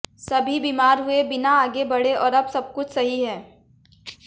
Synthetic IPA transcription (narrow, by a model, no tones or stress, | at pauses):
sɐbʱibiːmaːɾɦʊebɪnaaːɡebɐɽeʔɔːɾɐbsɐb̚kʊt͡ʃʰsɐɦiɦɛː